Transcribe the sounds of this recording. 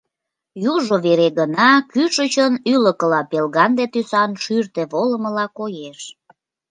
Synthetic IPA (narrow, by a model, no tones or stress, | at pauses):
juʒoβeɾeɣənɑkyʃət͡ɕənyləkəlɑpelɣɑnd̪et̪ysɑnʃyrt̪eβoləməlɑkojeʃ